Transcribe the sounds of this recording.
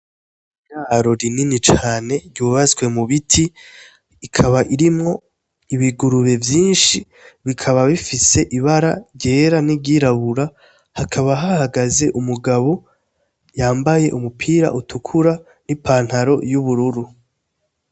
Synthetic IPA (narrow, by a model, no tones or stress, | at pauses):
ijaːɾo̞ɾininit͡ʃaːne̞ɾɟuːβazwe̞muβitʰiː | kʰaβaʔiɾimŋo̞ | iβiɡuɾuβe̞vjiːnʃi | βikʰaβaβifise̞ʔiβaɾaɾɟe̞ːɾaniɾɟiɾaβuɾa | hakʰaβaɦahaɡaze̞ʔumuɡaβo | jaːmbaje̞ʔumupʰiːɾa̰ʔutʰukʰuɾa | nipaːn̥haɾo̞juβuɾuɾu